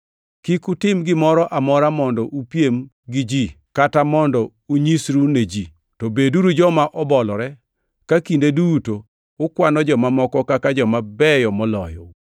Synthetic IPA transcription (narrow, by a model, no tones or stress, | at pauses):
kikutɪmɡɪmɔɾɔʔamɔɾamɔndɔʔupjem | ɡɪd͡ʒi | katamɔndɔ | uɲisɾuned͡ʒi | tɔbeduɾud͡ʒɔmaʔɔbɔlɔɾɛ | kakindedutoː | kwanɔd͡ʒɔmamɔkɔkakad͡ʒɔmabɛjɔmɔlɔjɔ̰